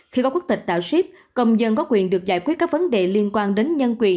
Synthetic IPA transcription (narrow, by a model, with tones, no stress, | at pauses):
xi˧kɔ˨˦ku˦˥k̚t̪ï̟˨˩ɗ̪a̰ː˧˨˩wsi˦˥p̚ | kə˧wŋ͡mzə˧nkɔ˨˦kwḭ˧˨ənɗɨ˨˩ək̚za̰ː˧˩jkwt̚kaː˦˥k̚və˨˦nɗḛ˨˩li˧ənkwaː˧nɗe˨˦nɲə˧nkwḭ˧˨˩ə